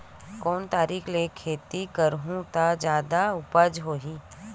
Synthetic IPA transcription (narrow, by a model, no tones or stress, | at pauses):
kɔːnt̪aːɾiːkʰlekʰeːt̪ikəɾɦũt̪ad͡ʒjaːd̪aʊpəd͡ʒɦoːɦiː